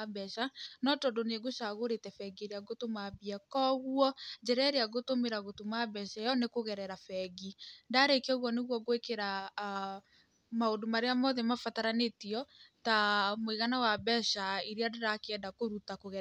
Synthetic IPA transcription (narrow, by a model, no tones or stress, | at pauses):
bɛʃanɔtɔdoneɡoʃaɣoɾetɛfɛɡeɾeaɡotomabiakɔɣuɔd͡ʒɛɾɛɾeaɣotomeɾaɣotomabɛʃɛjɔnekoɣɛɾɛɾafɛɣindaɾekeɔɣwɔneɣwɔɣwekeɾa | maondomaɾeamɔðɛmafataɾanetiɔtamweɣanawabɛʃaiɾeadeɾakeɛndakoɾutakoɣɛ